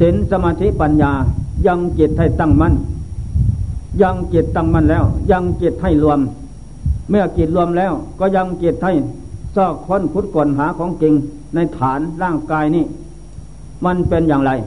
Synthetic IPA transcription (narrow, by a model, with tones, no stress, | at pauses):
se˨˦nsa˧maː˧t̪ʰi˦˥ʔpa˧njaː˨˧ja˧ŋke˨˩t̪̚ha˧˩jt̪a˧˩˨ŋma˧˥˨n | ja˧ŋke˨˩t̪̚ːa˧˥˩ŋma˧˥˨nlɛː˧˥˩wja˧ŋke˨˩t̪̚ha˧˩jlu˧əm | mɯ˧˥˩ɐkeː˨˩t̪̚lu˧əmlɛː˧˥˩wkɔː˧˩ja˧ŋke˨˩t̪̚ha˧˩j | sɔː˧˩kkʰɔ˧˥˨nkʰu˧˥t̪̚kɔː˨˩nɦaː˨˦kʰɔː˨˦ŋke˧ŋ | na˧jt̪ʰaː˨˦nlaː˧˥˩ŋkaː˧jniː˧˩ | ma˧˨npe˧njaː˨˩ŋɾa˧j